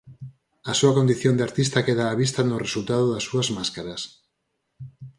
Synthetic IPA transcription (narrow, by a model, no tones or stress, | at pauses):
asuakond̪iθjond̪eaɾt̪ist̪akeðaːβist̪anoresult̪að̞oðasːuazmaskaɾas